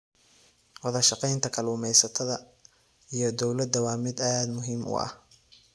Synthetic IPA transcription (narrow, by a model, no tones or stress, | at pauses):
wɑðɐʃɑqɛjnt̪ʰɐkʰɐluːmɛjsɐt̪ʰɐðɐ | ijɞd̪ɔwlɐd̪ɐwɑːmɪd̪ɐːd̪mʊɦiːmʔʊ̰ʔɐ̰h